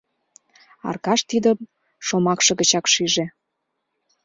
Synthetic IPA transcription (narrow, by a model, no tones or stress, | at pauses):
ɑ̰rkɑʃt̪id̪əm | ʃomɑkʃɤ̆ɣə̆t͡ɕɑkʃiʒe